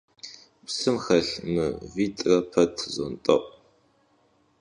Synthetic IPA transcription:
psɨmxɐɬmɨ̰viːtʼrɐpʰɐtʰzɔ̰ntʼɐ̰ʔʷʼ

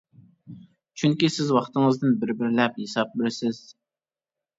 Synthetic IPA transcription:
t͡ʃʰyŋkʲisɪzwɑχt̪ʰɨŋɨzd̪ɪnbɪɾbɪɾlɛp̚hesɑp̚bɪɾsɪz̥

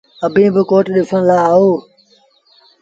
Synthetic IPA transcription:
əbʱĩːbɪkoːʈɗɪfʰənlaːaːɦoː

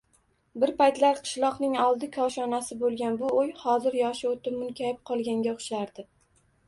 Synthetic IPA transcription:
bɪɾpajt̪laɾqʰɨ̥ʃlˠɒqnɪŋɒlˠd̪ɪkʲʰɒʃɒnasɪbolˠɡʲanbʊojhɒzɪɾjɒʃɪot̪ʰɪmʊnkʲʰajɪp̚qʰɒlˠɡʲaŋɡʲaʊχʃaɾd̪ɪ

